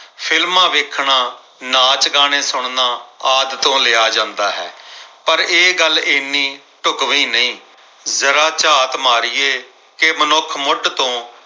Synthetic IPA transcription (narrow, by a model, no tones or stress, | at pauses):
pʰɪlmãːʋɪkʰɳãː | naːt͡ʃkaːñeːsʊɳnaːaːd̪t̪õːlɪːaːd͡ʒãːnd̪aːɦɛ̰ːpəɾeːɡəlɪnːĩː | ʈʊkʋĩːnəĩː | zəɾaːt͡ʃaːt̪maːɾɪːeː | kemənʊkʰmʊɖt̪õː